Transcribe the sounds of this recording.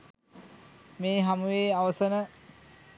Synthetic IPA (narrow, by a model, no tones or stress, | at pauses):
meːɦamujeːaʋəsənə